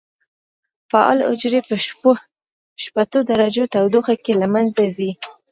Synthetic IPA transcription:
faɑ̰lʊ̰d͡ʒɾepə | ʃpat̪od̪aɾad͡ʒot̪awd̪oxakelamanzazi

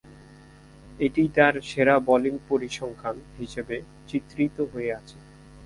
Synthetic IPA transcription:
eʈit̪aɾʃeɾabɔliŋpoɾiʃɔŋkʰanɦiʃebe | t͡ɕit̪ːɾit̪oɦoeat͡ɕʰe

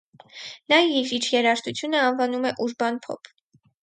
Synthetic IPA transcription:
nɑivit͡ʃʰjɛɾɑʃt̪ut͡sʰjunəɑnvɑnumɛʔuʒbɑnpʰɔ̰pʰ

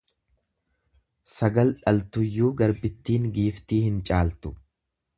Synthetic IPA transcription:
sɐɡɐlᶑɐlt̪ʊjːuːɡɐɾbɪt̪ːiːŋɡiːft̪iːhɪnt͡ʃʼaːlt̪ʊ̥

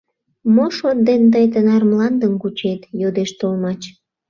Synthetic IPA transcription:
moʃot̪̚d̪end̪əjt̪ənɑrmlɑnd̪əmkut͡ɕet̪jod̪eʃt̪olmɑt͡ɕ

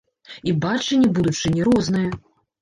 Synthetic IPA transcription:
ibat͡ʂɨnʲːɛbud̪ut͡ʂɨnʲɛɾɔznɨjɐ

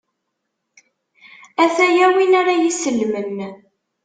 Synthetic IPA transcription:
æθæjæwinaɾajisəlːmən

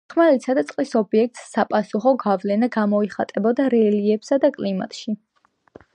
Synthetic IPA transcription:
χmalit̪sʰad̪at̪sʼqʼlisɔbiɛk̚t̪ʼsːapʼasuχɔɡavlɛnaɡamɔiχat̪ʼɛbɔd̪aɾɛliɛbsad̪akʼlima̰t̪ʼʃi

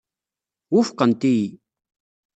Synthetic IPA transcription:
ʊfqənt̪iji

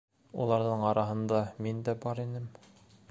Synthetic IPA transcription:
ṵlˠɑɾðɤɴɑɾɑɦɤ̆nd̪ɑmind̪æbɑɾinɘm

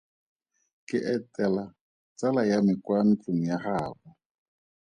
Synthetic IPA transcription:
kʼɪʔɛtʼɛla | t͡sʼalajamɪkwan̩t͡ɬʼuŋ̩jaχaːbɔ

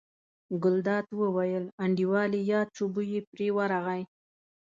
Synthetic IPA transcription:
ɡʊld̪ɑt̪wəwajəlaɳɖiwɑlijɑt͡ʃobujepɾewaɾaɣaj

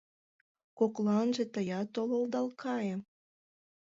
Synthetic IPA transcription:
koklɑnʒet̪əjɑt̪olold̪ɑlkʰɑjem

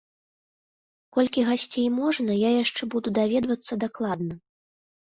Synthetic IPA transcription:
kɔlʲkʲiɣasʲt͡sʲejmɔʐnɐjajaʂt͡ʂɛbud̪ud̪avʲɛd̪vɐt̪sːɐd̪aklˠad̪nɐ

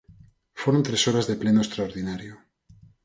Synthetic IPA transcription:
foɾont̪ɾesoɾazðeple̞noest̪ɾaoɾðinaɾjo

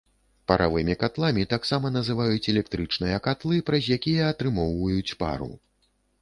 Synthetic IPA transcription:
pɐɾʔa̰vɨmʲikat̪lˠamʲit̪aksamɐnɐzɨvajut͡sʲɛlʲɛkt̪ɾɨt͡ʂnɨjɐkat̪lˠɨpɾɐzʲjakʲijɐːt̪ɾɨmɔwvɐjut͡sʲpa̰ɾṵ

